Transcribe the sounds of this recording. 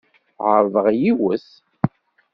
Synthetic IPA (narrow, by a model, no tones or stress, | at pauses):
ʁəɾˤvəʁjiwəs